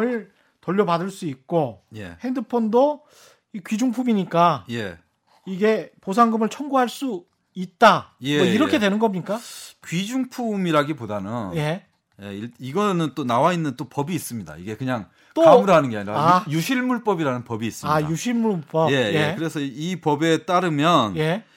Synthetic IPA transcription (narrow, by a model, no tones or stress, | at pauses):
ɯɭ | tʌʎːʌbadɯɭs͈uik̚k͈ojḛhe̞ndɯpʰondo | ikɥid͡ʑuŋpʰumiɲik͈aje̞ | iɡe̞pos̬ʰaŋɡɯmɯɭt͡ɕʰʌŋɡuɦaɭs͈u | it̚t͈ajemʌiɾʌkʰe̞dwe̞nɯnɡʌmɲik͈akɥid͡ʑuŋpʰumiɾaɡipodanʌnje̞ | je̞̰iɭiɡʌnɯnt͈onawainːɯnt͈opʌbiːs͈ɯmɲida̰iɡe̞kɯɲaŋ | t͈okamuɾɦanɯnɡeaɲiɾaajuɕʰiɭmuɭp͈ʌbiɾanɯnpʌbiːs͈ɯmajuɕʰiɭmuɭp͈ʌje̞jekɯɾe̞sʰʌipʌbe̞t͈aɾɯmjʌnje̞